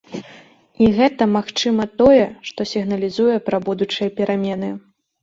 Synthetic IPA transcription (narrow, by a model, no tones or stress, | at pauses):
iɣɛt̪ɐmaxt͡ʂɨmɐt̪ɔjɛʂt̪ɔsʲiɣn̪ɐlʲizujɛpɾɐbud̪ut͡ʂɨjɐpʲɛɾamʲɛnɨ